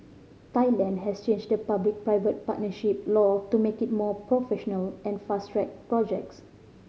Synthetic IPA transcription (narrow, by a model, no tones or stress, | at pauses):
taɪlɛ̃ndɦɛst͡ʃẽnd͡ʒdəpablik̚pɹaɪvət̚patnəʃip̚lɔtumekit̚mɔpɹofɛʃɔnəlɛ̃nfastɹɛt̚pɹɔd͡ʒɛk̚s